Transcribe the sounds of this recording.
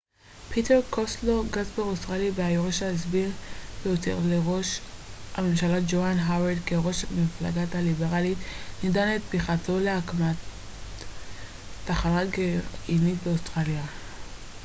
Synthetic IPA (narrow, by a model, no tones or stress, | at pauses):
pʰiteʁkʰosloɡazbeʁost̪ʁaljaveajoʁeʃaezbiʁbeotḛʁleʁo̞ʃhame̞mʃalad͡ʒoanɦawedkeʁo̞ʃamifla̰ɡathalibe̞ʁalitnidanet̚biχato̞leakma | aχanatɡeinitbeostʁalja